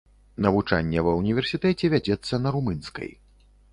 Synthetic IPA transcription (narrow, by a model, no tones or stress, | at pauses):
nɐvut͡ʂa̰nʲːɛvɐwnʲivʲɛrsʲit̪ɛt͡sʲɛvʲad͡zʲɛt̪sːɐnɐɾumɨnskɐ̰j